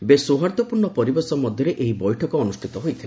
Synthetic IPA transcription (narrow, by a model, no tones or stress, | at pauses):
besoɦaɾt̪ɔpuɾɳɔpɔɾibɔɾsɔmɔd̪ʱjɔɾeʔeɦibɔjʈʰɔkɔːnusʈʰit̪ɔɦojt̪ʰila